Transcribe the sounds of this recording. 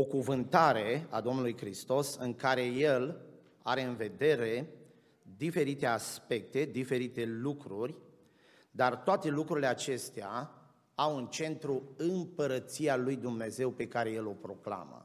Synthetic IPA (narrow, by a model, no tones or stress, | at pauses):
o̞kuvɨnt̪aɾe̞ad̪o̞mnulujkɾist̪o̞sɨŋkaɾe̞je̞l | a̰ɾe̞ɨnve̞d̪e̞ɾe̞ | d̪ife̞ɾit̪e̞aspe̞k̚t̪e̞d̪ife̞ɾit̪e̞lukɾurʲ | d̪art̪oat̪e̞lukɾuɾile̞at͡ʃe̞st̪ea | awunt͡ʃe̞nt̪ɾuɨmpəɾət̪sialujd̪umne̞ze̞wpe̞kaɾe̞je̞lo̞pɾo̞kla̰mə̰